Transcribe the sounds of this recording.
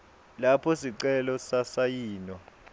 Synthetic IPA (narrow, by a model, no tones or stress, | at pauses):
lapʰɔsiǀɛlɔsasajiːnwa